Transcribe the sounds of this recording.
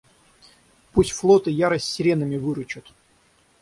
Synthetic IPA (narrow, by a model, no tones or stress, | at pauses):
pusʲtʲflˠot̪ɨjaɾəsʲtʲsʲɪɾʲenəmʲɪvɨɾʊt͡ɕʊt̪